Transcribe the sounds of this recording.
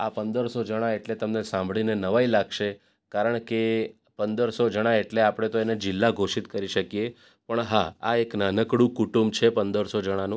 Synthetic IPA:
apənd̪əɾsod͡ʒəɽ̃aeʈlet̪əmnesãmbʱɭinenəʋailaɡʃe | kaɾəɳke | pənd̪əɾsod͡ʒəɽ̃aeʈleapɽ̃et̪oened͡ʒɪlːaɡʱoʃit̪kəɾiʃəkje | pəɳɦaaeknanəkɽũkuʈumbt͡ʃʰepənd̪əɾsod͡ʒəɽ̃anũ

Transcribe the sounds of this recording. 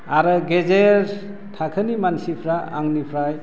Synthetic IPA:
aɾɯɡezeɾ | tʰakʰənimansipʰɾaa̰ŋnipʰɾaj

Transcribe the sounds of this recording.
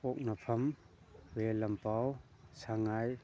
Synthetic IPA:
ɔk̚napʰɐm | welɐmpaw | saŋaj

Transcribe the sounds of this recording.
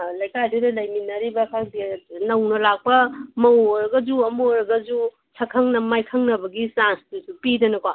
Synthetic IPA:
lɐjkadiɾɐlɐjminɐɾibɐkʰak̚dinɐwnɐlak̚pɐmɐwɾɡɐd͡ʒuɐmoɾɡɐd͡ʒu | t͡ʃʰɐkʰɐŋnɐmajkʰɐŋnɐbɐɡisansdusupidɐnɐkwa

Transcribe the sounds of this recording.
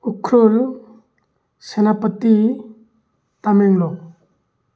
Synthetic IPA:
ukʰɾul | senapət̪i | t̪amɛŋlɔ

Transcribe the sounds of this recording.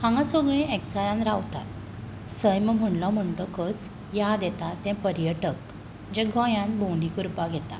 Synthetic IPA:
hãŋɡasəɡɭĩek̚t͡sajãnɾaʋt̪a̰t̪ | səjmm̤əɳlɔm̤əɳʈəkət͡s | jad̪ɛt̪at̪ɛ̃pəɾjəʈək | d͡ʑɛ̃ɡʱɔ̃jãnbõɳɖikuɾpaɡʱɛt̪a̰

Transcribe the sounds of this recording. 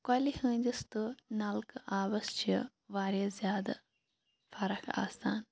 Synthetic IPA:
kɐlihə̃ːɲd͡ʒist̪ɨnɐlkɨaːʋɐst͡ʃʰɐ | ʋaːɾjɐzjaːd̪ɐ̰ | fʰɐɾɐkʰa̰ːst̪ʰaːn

